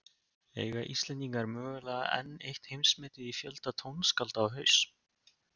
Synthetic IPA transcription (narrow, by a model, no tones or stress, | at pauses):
ḛːjɣaʔist̪lɛnt̪iŋkaɾmœːɣʏlɛːɣa̰ʔɛ̰nːejht̪hejmsmɛːt̪ɪðifjœlt̪at̪ʰownskalt̪aːwɦœɥs